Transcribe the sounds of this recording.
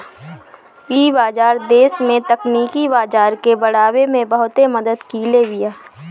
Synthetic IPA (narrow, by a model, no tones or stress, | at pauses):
iːbaːd͡ʒaːɾd̪eːsmẽt̪əkniːkibaːd͡ʒaːɾkebɐɽ̤aːwemẽbɐɦʊt̪eməd̪əd̪kileːʋɪjaː